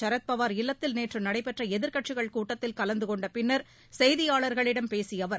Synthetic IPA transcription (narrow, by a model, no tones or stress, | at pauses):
t͡ʃɐɾɐt̪̚pɐʋaːɾɪlːɐt̪ːɪlneːʈrɯmnɐɽɐɪpɛʈrɐɛðɪɾkɐʈʂɪɣɐɭkuːʈːɐt̪ːɪlkɐlɐnd̪ɯkɔɳɖɐpɪnːɐɾ | sɛjðɪjaːɭɐɾɣɐɭɪɽɐmpeːsɪjɐʋɐɾ